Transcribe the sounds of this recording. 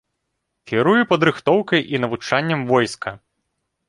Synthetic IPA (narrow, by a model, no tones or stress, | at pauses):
kʲiɾujɛpɐd̪ɾɨxt̪ɔwkɐjʔinɐvut͡ʂanʲːɐmvɔjskʰɐ